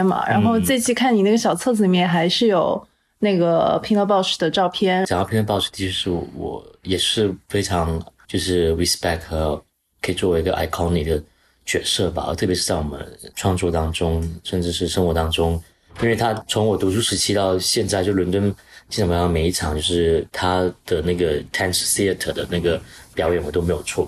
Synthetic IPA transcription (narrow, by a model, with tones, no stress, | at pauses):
mɐ̰˩ɻa̰˧˥nxo˥˧ʊt͡sa˥˧ɪt͡ɕʰi˥˧kʰa˥˩ni˩˥˩ɡə˩ɕjɑ˨˩ʊt͡sʰɤ˥˩d͡zɹ̩˨i˨mjɛ˥˩nxa˧˥ɪʂɻ̩˥˩jo˨˩ʊ | na˥˩ɡə˩pʰi˧˥ŋlɤ˥˧p̬ɑ˥˧ʊʂɻ̩˥˩d̪ə˧ʈ͡ʂɑ˥˧ʊpʰjɛ˥nt͡ɕjŋʈ͡ʂɑ˥˧˩pʰj̪pɑ˥˧ʊʂɻ̩˥˩t̪ʰi˥t͡ɕʰɛ˥ʂɻ̩˥˩wɔ̰˨˩˦jɛ˨˩ʂɻ̩˥˩fe˥ɪʈ͡ʂʰɑ˧˥ŋt͡ɕjo˥˧ʊʂɻ̩˥˩wi˥spɛ˥˩kʰ | kʰɤ˥i˨˩t͡swɔ˥˩wi˧˥ɡə̰˧ʔa̰˧˩ɪkʰɔ˥ni˨˩d̪ə˩ | t͡ɕɥɛ˧˥sɤ˥˩ba̰˨˩ə̰˧˥t̪ʰɤ˥˩pjɛ˧˥ʂɻ̩˥˧t͡sa˥˩wɔ˨˩mə̰˦nʈ͡ʂʰwɑ˥˧ŋt͡swɔ˥˧t̪ɑ˥ŋʈ͡ʂʊ˥ŋʂə˥˧nʈ͡ʂɻ̩˥˧ʂɻ̩˥˩ʂə˥ŋxwɔ˧˥t̪ɑ˥ŋʈ͡ʂʊ˥ŋ | i˥nwe˥˩ɪt̪ʰa˥t͡sʰʊ˧˥ŋwɔ˨˩t̪u˧˥ʈ͡ʂʰu˥ʂɻ̩˧˥t͡ɕʰi˥t̪ɑ˥˧ʊɕjɛ˥˧nt͡sa˥˧ɪt͡ɕo˥˩˥wə˧˥nt̪wə˥nt͡ɕi˥˩ə˨˩m˧˩jɑ˥˩me˧˥ɪi˥˩ʈ͡ʂʰɑ˨˩ŋt͡ɕjo˥˧ʊʂɻ̩˥˩t̪ʰa˥d̪̥ə˨na˥˩ɡə˩t̪ʰa˥nʂsi˥ə˥˩t̪ʰə˨˩d̪ə˦na˥˩ɡə˩pjɑ˧˥jɛ˧˥nwɔ˨˩t̪o˥e˧˥ɪjo˨˩ʊt͡sʰwɔ˥˩